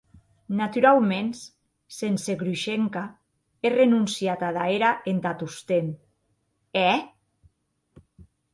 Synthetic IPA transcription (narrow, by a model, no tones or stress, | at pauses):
nat̪uɾalmens | senseɣɾuʃeŋka | erenunsjiat̪aðaeɾaʔent̪at̪ust̪en | ɛ